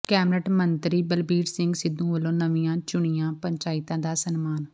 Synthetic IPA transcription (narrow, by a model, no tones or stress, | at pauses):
kɛːmɾəʈmənt̪ɾiːbəlbiːɾsɪ̃ŋɡsɪd̪ũːɦəlõːnəʋiːãːt͡ʃʊɳ̃ɪjãːpəɲt͡ʃaːɪt̪ãːd̪aːsənmaːn